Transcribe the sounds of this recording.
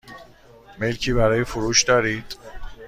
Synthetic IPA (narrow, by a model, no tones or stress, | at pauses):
me̞lcʰiːβæɾɒːjefoɾuːʃd̪ɒːɾiːd̪̥